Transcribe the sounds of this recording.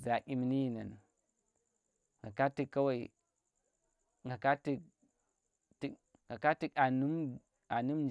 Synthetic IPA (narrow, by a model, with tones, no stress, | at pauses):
za˨ʔʲi˦m˦ni˦ji˨na̰˨n | ŋɡa˨ka˦ti˨kːa˦wa˦˨i˨ | ŋɡa˨ka˦ti˨k̚ | ti˨ | ŋɡa˨ka˦ti˦ka˨nu˦m | a˨nu˦md͡ʒ